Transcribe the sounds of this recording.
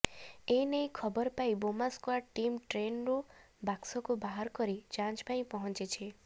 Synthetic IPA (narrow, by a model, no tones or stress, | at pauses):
ejnejkʰɔbɔɾpaĩbomaskwaʈʈimʈɾenɾu | baksɔkubaɦaɾkɔɾid͡ʒãnt͡ʃpãĩpɔɦɔ̃nt͡ʃet͡ʃʰi